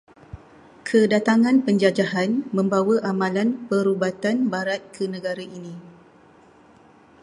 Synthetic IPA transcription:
kʰədat̪aŋãnpəɲd͡ʒad͡ʒaɦanmə̃mbawaʔamãlanpəɾubat̪anbaɾat̪̚kʰənə̃ɡaɾaʔinĩ

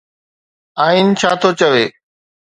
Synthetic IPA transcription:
aːiːnt͡ɕʰaːt̪ʰoːt͡ɕəʋeː

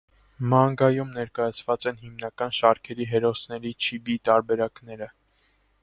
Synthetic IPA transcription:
mɑŋɡɑjumnɛɾkɑjɑt͡sʰvɑt͡sɛnhimnɑkɑnʃɑɾkʰɛɾiɦɛɾɔsnɛɾit͡ʃʰibit̪ɑɾbɛɾɑkn̪ɛɾə

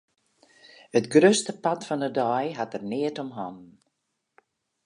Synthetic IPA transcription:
hətɡrøstəpatfɔnədɔjɦatərnɪətɔmɦɔm

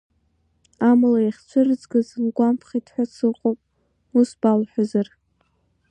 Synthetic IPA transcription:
amlaiχʲt͡ʃʷʰɨrɨd͡zɡɨzɨnɡʷampʰχʲitʰʼħʷᶣasʰɨlqʼopʼ | usbalħʷᶣazar

